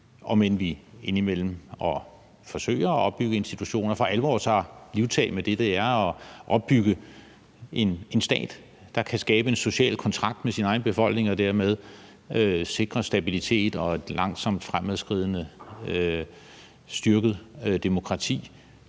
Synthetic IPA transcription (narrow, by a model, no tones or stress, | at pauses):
ʔɒ̽menʋie̝nimel̰m̩ɒ̽ | fɒ̽sø̰ːɪ̰ɐːʔɒ̽b̥ːyɡ̥əe̝nsd̥it͡sʰuɕo̝̰ːnɐfʁɑ̈ʔæləʋɒ̰ːsʰɒliʊt͡sʰɛ̰ːmed̥e̝d̥e̝æɐɒʔɒ̽b̥ːyɡ̥ə | e̝nensd̥ɛ̰ːd̥ː | ɑ̈kʰæsɡ̥ɛːb̥əe̝nso̝ɕɛ̰ːlkʰɒ̽nt͡sʰʁɑ̈ɡ̥̚d̥mesinɑ̈ɪnb̥e̝fɒ̽l̰ɡ̥ne̝ŋɒ̽d̥æɐ̰með̞ˠ | øse̝ɡ̥ʁɐsd̥æb̥ilit͡sʰe̝̰ːd̥ɒ̽ed̥lɑ̈ŋ̰sɒ̽m̰d̥fʁamæðˠsɡ̥ʁið̰ˠnə | sd̥yɐɡ̥əð̩ˠd̥e̝mo̝kʰʁɑ̈t͡sʰḭː